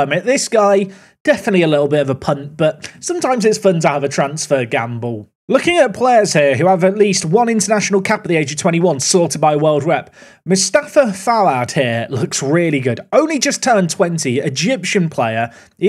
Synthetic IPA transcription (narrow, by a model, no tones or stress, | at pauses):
mɪʔðɪsɡ̥aɪ | d̥ɛfənətˡliəlɪtl̩ˠbɪɾəvəpʰʌ̃nb̥ʌt̚sʌ̃mtʰãɪ̃mzɪtsfʌ̃ntʰəhəvətʰɹ̥ãnsfəɡã̰mbəl̩ˠ | lʊkɪ̃ŋəʔ̚pʰl̥eɪə˞z̥hiəɦʉəvəʔliˑst̚wʌ̃nɪ̃ntənaʃnəlˠkʰapəʔ̪ðieɪd͡ʒəv̥tʰw̥ɛ̃ɾ̃tiwʌ̃nsɔˑtəd̚baɪwɜːlˠd̚ɹɛp̚ | mɪstafəfalaʊt̚hɪəlʊksɹɪəliɡʊdõʊ̃nlid͡ʒʌstʰɜ˞ntʰw̥ɛ̃ntiəd͡ʒɪpʃə̃npʰl̥eɪə˞ | ɪ